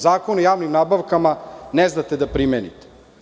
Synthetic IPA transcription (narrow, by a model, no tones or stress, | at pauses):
zaːkonojaːʋnimnaːbaʋkamaneznat̪ed̪apɾimeːnḭt̪e̥